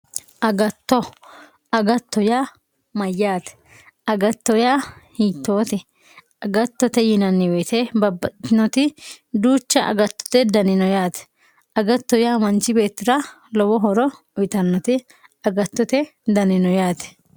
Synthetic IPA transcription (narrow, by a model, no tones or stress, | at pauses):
ʔɐɡɐt̪ːɔ | ɐɡɐt̪ːɔjaː | mɐjːaːt̪ɛ̥ | ɐɡɐt̪ːɔjaːhiːt̪ːo̞ːt̪ɪ | ɐɡɐt̪ːɔt̪ɛjɪnɐnːɪwɛt̪ɛbɐbɐnɔt̪ɪd̪uːt͡ʃːɐʔɐ̰ɡɐt̪ːɔ̥t̪ɛd̪ɐnɪnɔjaːt̪ɛ̥ | ʔɐɡɐt̪ːɔjaːmɐnt͡ʃɪbe̞ːt̪ːɪɾɐ | lɔwɔɦɔɾɔ | ʊɪt̪ɐnːɔt̪ɪ | ɐɡɐt̪ːɔt̪ɛd̪ɐnɪnɔjaːt̪ɛ̥